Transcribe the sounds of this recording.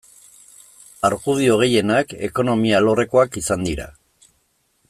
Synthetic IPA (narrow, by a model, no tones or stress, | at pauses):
aɾɣuðio̞ɣ̞e̞je̞nake̞̰ko̞no̞mialo̞re̞ko̞akisand̪iɾa̰